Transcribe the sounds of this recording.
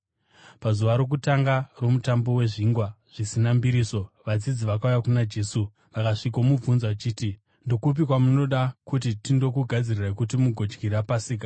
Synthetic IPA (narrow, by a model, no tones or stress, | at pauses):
pazuʋaɾo̞k̬utaŋɡaro̞mutambo̞we̞ʐiːŋɡwaʐ̥isinambiɾiːso̞ʋad͡zid͡ziʋakaujakunad͡ʒe̞su | ʋakaʂikomub͡vunzat͡ʃiːti | ndo̞kup̬ikwamuno̞ɗakut̬itindo̞kuɡʱad͡zirirakut̬imuɡʱo̞d͡ʒɡʱiɾapasiːk̬a